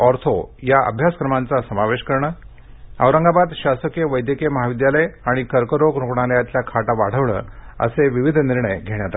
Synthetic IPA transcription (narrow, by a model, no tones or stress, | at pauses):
ɔɾt̪ʰojaʔə̰bʱjasə̥kɾəmant͡sasəmaʋeɕkəɾɳəː | əʋɾəŋɡabad̪ɕasəkjeʋəjd̪jəkeməɦaʋid̪jaləjaɽ̃ikəɾkəɾokɾukɳ̃aljat̪ljakʰaʈaʋaɽ̤əʋɭə̰ːə̰seʋiʋid̪ʱniɾɳəjɡʱeɳjat̪a